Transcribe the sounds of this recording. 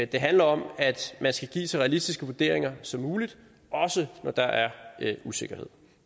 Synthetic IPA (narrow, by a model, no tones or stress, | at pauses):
d̥e̝ɦænlɐɒ̽mæd̥mænsɡ̥æɡ̥ḭːt͡sʰe̝lʁɛælisd̥isɡ̥əʋuɐd̥e̝̰ɐeŋɐsɒ̽mːuːlid̥ | ɒ̽sənɒd̥ɑ̈ʔæɐuse̝ɡ̥ɐhe̝ð̰ˠ